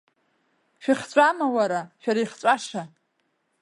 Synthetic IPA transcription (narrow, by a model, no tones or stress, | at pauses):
ʃᶣiχt͡ɕʷʼamawaɾaʃᶣaɾaiχt͡sʷʼaʂa